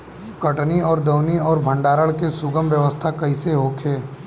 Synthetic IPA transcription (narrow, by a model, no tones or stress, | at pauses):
kɐʈniɔːɾd̪ɐwniɔːɾbʱə̃ɳɖaːɾəɭkesʊɡəmʋjəʋəst̪ʰakɐiseɦoːkʰeː